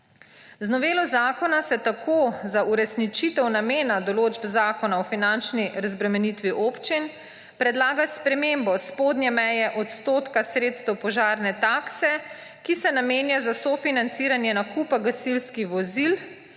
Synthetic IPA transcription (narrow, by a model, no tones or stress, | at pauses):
znɔʋeːlɔzaːkɔnasɛt̪akʰozauɾɛsnit͡ʃit̪ɛwnameːnad̪ɔloːd͡ʒbzaːkɔnaɔfinant͡ʃniɾazbɾɛmɛnit̪ʋiʔoːpt͡ʃin | pɾɛd̪laːɡaspɾɛmeːmbɔspoːd̪njɛmɛjɛʔɔt̪st̪oːt̪kasɾeːt̪st̪ɛwpɔʒaːɾnɛt̪aːksɛ | kisɛnameːnjazasɔfinant̪siːɾanjɛnakupaɡasilskiʋɔzil